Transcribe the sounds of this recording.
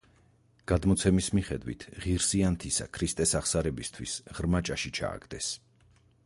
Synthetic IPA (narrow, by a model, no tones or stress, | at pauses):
ɡ̥ad̪mɔt̪sʰɛmismiχɛd̪wḭt̪ʰʁiɾsiant̪ʰisa̰kʰɾist̪ʼɛsaχsaɾɛbist̪ʰwisʁɾmat͡ʃʼaʃit͡ʃʰa̰ːɡd̪ɛs